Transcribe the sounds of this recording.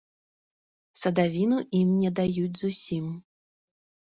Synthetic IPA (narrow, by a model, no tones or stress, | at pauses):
sɐd̪avʲinuʔimnʲɛd̪ajud͡zʲzusʲim